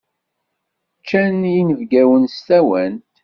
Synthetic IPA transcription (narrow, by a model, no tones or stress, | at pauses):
t͡ʃːænjinəvɡæwənst̪æwænt̪